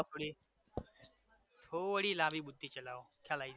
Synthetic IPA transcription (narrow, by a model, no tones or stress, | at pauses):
t̪ʰoːɽi | t̪ʰoʋɽiːlãːbiːɓʊd̪ʱːiːt͡ɕɐlaːoːkʰjaːlaːiːd̪